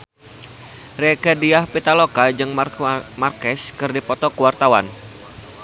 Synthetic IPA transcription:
rekadiahpit̪alokad͡ʒɨŋmarkɛskɨrdipɔt̪ɔkuwart̪awa̰n

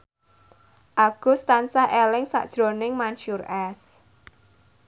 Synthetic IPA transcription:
ʔaɡ̥ʊ̤st̪ansaʔɛlɪŋsa̰ʔd̥ʒ̥ɾo̤nɪŋmanʃurɛs

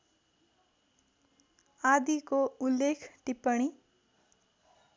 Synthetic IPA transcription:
ad̪ikoulːekʰʈipʌɽ̃i

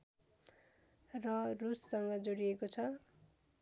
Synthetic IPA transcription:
rʌrusːʌŋɡʌd͡zoɽiekot͡sʰʌ

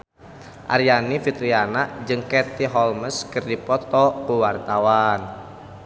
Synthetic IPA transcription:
ʔa̰ɾianifit̪ɾianad͡ʒɨŋkɛrt̪iɦɔlməskɨrdipɔt̪ɔkuwart̪awan

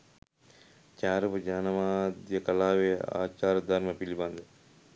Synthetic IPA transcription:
t͡ʃaːɾupud͡ʒaːnɐʋaːd̪jɐkɐlaːʋea̰ːt͡ʃaːɾɐd̪ɐɾmɐpilibɐnd̪ɐ

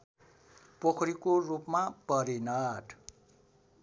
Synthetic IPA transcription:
pokʰʌɾikorupmapʌɾinʌʈʰ

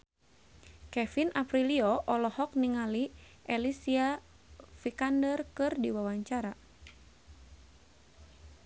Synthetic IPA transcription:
kɛfinʔapɾiliɔʔɔlɔhɔk̚niŋali | ɛlisia | fikandərkɨrdiwawaɲt͡ʃaɾa

